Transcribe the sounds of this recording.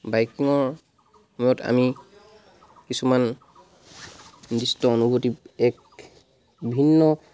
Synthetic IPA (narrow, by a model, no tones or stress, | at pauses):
bajkiŋɔɹ | mɔjɔtʰa̰mi | kisuman | distɔonubʱotip̚ɛk | bʱinːɔ